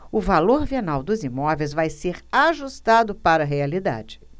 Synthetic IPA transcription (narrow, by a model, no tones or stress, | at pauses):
ʊvaloɾvienawd̪ʊzimɔvejzvajseɾaʒust̪ad̪ʊpaɾɐɦealid̪a̰d͡ʒɪ̥